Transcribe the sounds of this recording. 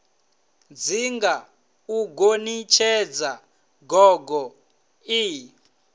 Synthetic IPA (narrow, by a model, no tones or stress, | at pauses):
d͡ziŋɡa | uɡonit͡ʃʰɛd͡za | ɡɔɡɔ | i